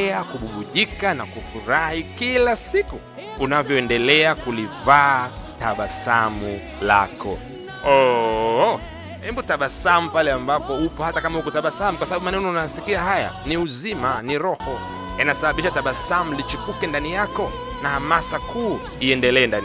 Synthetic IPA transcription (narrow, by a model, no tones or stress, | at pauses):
ɛakuɓuɓuʄikanakufuɾahikilasikuː | navjɔɛndɛlɛakulivaː | taɓasamu | la̰kɔ̰ | ɔ | ɛmbutaɓasamupalɛambapɔupɔhatakamahukɔtaɓasamukwasaɓaɓumanɛɛnɔunajasikiaɦaja̰niuzimaniɾɔhɔ | inasaɓaɓiʃataɓasamulit͡ʃipukɛndanijakɔ | nahamasakuː | iɛndɛlɛːndan